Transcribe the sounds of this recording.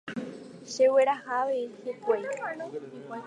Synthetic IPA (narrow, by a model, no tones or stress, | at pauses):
ʃeweɾahaʋeihekʷej